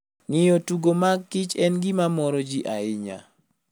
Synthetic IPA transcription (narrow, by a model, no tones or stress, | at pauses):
ŋɪjotuɡomaɡːɪt͡ʃɛnɡɪmamɔɾɔd͡ʒiʔaɪɲa̰